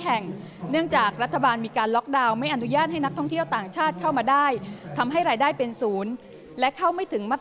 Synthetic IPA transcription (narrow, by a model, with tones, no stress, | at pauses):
ɦɛ˨˩ŋ | nɯ˥˩əŋt͡ɕaː˨˩k̚ɾa˦˥t̪ʰːa˧baː˧nmiː˧kaː˧nlɔ˦˥k̚daː˧wma˥˩jʔa˧nu˦˥jaː˥˩t̪̚ha˥˩jna˦˥t̪ʰɔ˥˩ŋt̪ʰi˥˩əwt̪aː˨˩ŋt͡ɕʰaː˥˩t̪̚kʰa˥˩wmaː˧daː˥˩jt̪ʰa˧mɦa˥˩jɾaː˧jdaː˥˩jpe˧nsuː˩˦n | lɛ˦˥ʔkʰa˥˩wma˥˩jt̪ʰɯ˩˦ŋma˦˥˩t̪